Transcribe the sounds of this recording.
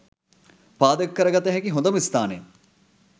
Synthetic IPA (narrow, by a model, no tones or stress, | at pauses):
paːd̪əkːɐɾɐɡɐt̪eɦɛkiɦʊnd̪ɐmɪst̪aːne